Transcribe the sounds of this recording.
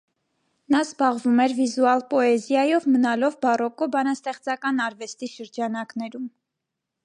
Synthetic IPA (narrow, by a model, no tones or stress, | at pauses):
nɑzbɑʁvumɛɾvizuɑlpɔɛzjɑjɔvmənɑlɔvbɑrɔkɔbɑnɑst̪ɛχt͡sɑkɑnɑɾvɛst̪iʃəɾd͡ʒɑnɑknɛɾum